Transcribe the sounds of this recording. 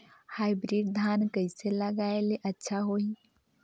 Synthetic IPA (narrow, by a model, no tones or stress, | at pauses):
haːɪbɾiːɖd̪ʱaːnkəɪseləɡaːeleʔɐtːʃʰaɦoi